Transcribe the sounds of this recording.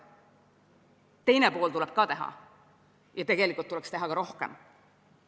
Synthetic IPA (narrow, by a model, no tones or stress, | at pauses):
t̪e̞jnepo̞ːlt̪ulɛb̥̚kɑt̪e̞ɦɑ̰ | jɑt̪e̞ɡelikːˑult̪ːulekst̪e̞ɦɑkɑɾo̞hkḛm